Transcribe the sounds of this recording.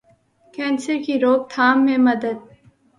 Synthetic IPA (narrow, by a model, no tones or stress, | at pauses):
kɛ̃ːnsəɾkiɾoːk̚t̪ʰaːmːẽmɐd̪əd̪̚